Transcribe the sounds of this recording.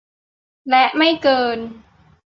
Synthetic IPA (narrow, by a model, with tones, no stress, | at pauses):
lɛ˨˧˥ʔma˥˩jkɤː˧n